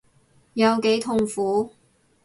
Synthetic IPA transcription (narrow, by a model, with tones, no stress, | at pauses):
jɐ˨˧wke˨˥jt̪ʰʊ˨ŋfuː˨˥